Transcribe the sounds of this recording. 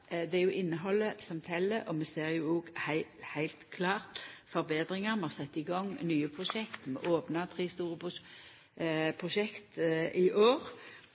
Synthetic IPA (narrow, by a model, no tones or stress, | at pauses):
d̪ɛæɾjʊʔɪnːəɦɔlːəsɔmt̪ʰɛlːəʔɔmɛseːɾjʊoːɡhæɪhæɪlt̪kʰlɑːʁt̪fɔʁɾbeːd̪ɾɪŋəɾmɛɑsɛt̪ːɪɡɔŋːnyːəpʰʁʊʃɛkt̪mɛ̰ʔoːpnɑt̪ʰʁiːst̪uːʁəp | pʰʁʊʃɛkt̪ʔɪʔoːɾ